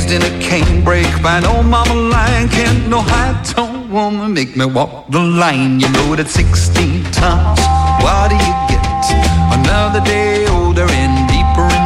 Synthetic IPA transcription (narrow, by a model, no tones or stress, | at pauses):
zdɨ̃nɨkʰẽɪ̃nbɹeɪkb̥ãɪ̃noʊmɑməlãɪɨ̃nkʰæ̃nnoʊhaɪtʰõnwʊmə̃meɪk̚miwɔk̚ðəlãɪ̃njɨloɾɨtsɪkstĩntʰãz̥wəlɾɨjɨɡɛt̚ənʌðə˞deɪ | oʊlˠdə˞ɪ̃ndipə˞ɨ̃